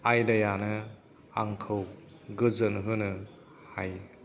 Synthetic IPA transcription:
ajdɐjanɯ | aŋkʰɯw | ɡɯzɯnɦɯnɯ | haj

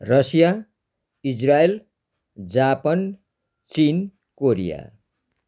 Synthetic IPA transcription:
rʌsja | id͡zrael | d͡zapʌn | t͡sin | koɾija̰

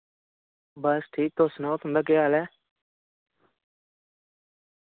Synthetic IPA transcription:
bəsʈʰiːk̚t̪osnɔ̃ːt̪ʊnd̪aːkɪaːlɛː

